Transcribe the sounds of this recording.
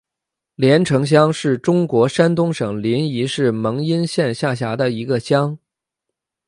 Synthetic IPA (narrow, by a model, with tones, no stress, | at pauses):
ljɛ˧˥nʈ͡ʂʰɤ˧˥ŋɕ̬jɑ˥ŋʂɻ̩˥˩ʈ͡ʂʊ˥ŋkwɔ˧˥ʂa˥nt̪ʊ˥ŋʂɤ˨˩ŋli˧˥ni˧˥ʂɻ̩˥˩mɤ˧˥ŋi˥nɕjɛ˥˧nɕja˥˩ɕja˧˥d̪ə˧i˧˥ɡə˧ɕjɑ˥ŋ